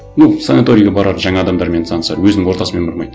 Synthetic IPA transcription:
nuwsanat̪o̞ɾʲijɡʲɑbɑɾɑɾʒɑŋɑːd̪ɑmd̪ɑɾme̞nsɑnəsɑ̰ɾwɵznɪŋwo̞ɾt̪ɑsəmenbʊɾmɑjd̪ə

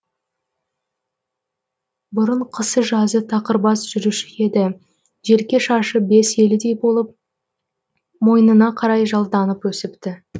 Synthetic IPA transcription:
bʊɾəɴqʰəsəʒɑzət̪ʰɑqəɾbɑsʒ̥ʏɾɪʃɪe̞d̪ɪ | ʒe̞ɾkʲe̞ʃɑʃəbe̞se̞lɪd̪e̞jbo̞lˠəp̚ | mo̞jənənɑqʰɑɾɑjʒɑlˠd̪ɑnəpwɵsɪpt̪ɪ

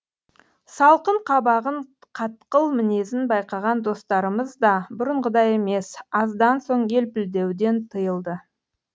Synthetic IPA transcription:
sɑlˠqəɴqʰɑbɑʁəɴ | qʰɑt̪qəlˠmɪne̞sɪnbɑjqɑʁɑnd̪o̞st̪ɑɾəməzd̪ɑbʊɾəɴʁəd̪ɑje̞me̞sɑzd̪ɑnso̞ɴe̞lpɪld̪e̞wd̪e̞nt̪ʰəjəlˠd̪ə

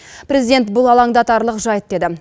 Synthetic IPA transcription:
prezid̪e̞nt̪̚bʊlˠɑlˠɑŋd̪ɑt̪ɑɾlˠəqʒɑjət̪̚d̪e̞d̪ɪ

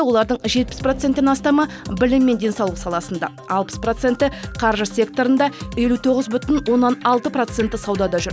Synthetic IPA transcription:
wo̞lˠɑɾd̪əɴʒe̞t̪̚pɪ̥spro̞t̪se̞nt̪ːɪnɑst̪ɑmɑ | bɪlɪmːe̞nd̪ʲe̞nsɑwlˠəsɑlˠɑsənd̪ɑ̰ | ɑlˠpə̥spro̞t̪se̞nt̪ːɪqʰɑɾʒəsʲe̞k̚t̪o̞ɾənd̪ɑje̞lut̪ʰo̞ʁəzbʏt̪ɪnwo̞nːɑnɑlˠt̪əpro̞t̪se̞nt̪ːɪsɑwd̪ɑd̪ɑʒʏɾ

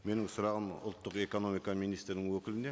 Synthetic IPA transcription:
me̞nɪŋsʊɾɑʁəmʊ̰lˠt̪ːəqe̞ko̞no̞mijkɑmijnijst̪ɾnɪŋwɵkʲɪlɪnd̪e

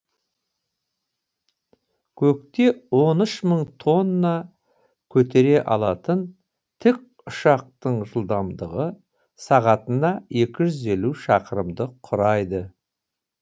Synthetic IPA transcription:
kʲʰɵk̚t̪e̞wo̞nəʃməɴt̪ʰo̞nːɑ | kʲʰɵt̪ʰe̞ɾe̞ʔɑlˠɑt̪ən | t̪ʰɪk̚ | ʊʃɑq̚t̪əɴʒəlˠd̪ɑmd̪əʁə | sɑʁɑt̪ənɑje̞kʲɪʒʏze̞luʃɑqəɾəmd̪əqʰʊɾɑjd̪ə

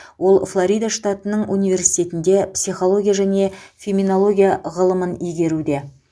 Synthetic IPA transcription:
wo̞lˠflˠoɾʲijd̪aʂt̪at̪ənəɴʔunijvʲe̞ɾsijt̪e̞t̪ɪnd̪e̞psijχo̞lˠo̞ɡʲijaʒæne̞fʲeminolˠo̞ɡʲijaʁəlˠəmənijɡʲe̞ɾud̪e̞

